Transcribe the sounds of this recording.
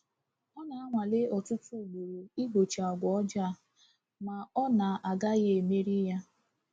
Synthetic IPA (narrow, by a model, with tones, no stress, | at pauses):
ɔ˦na˨a˦ŋʷa˨le˦ɔ˨tʊ˦tu˦˨ɡ͡bo˨ɾo˨i˦bo˨t͡ʃa˨ɔ˨ɡʷɔ˨ɔ˦d͡ʒa˦˨ | ma˨ɔ˦na˨ʔa˨ɡa˦ɣe˦e˨me˦ɾi˦ja˦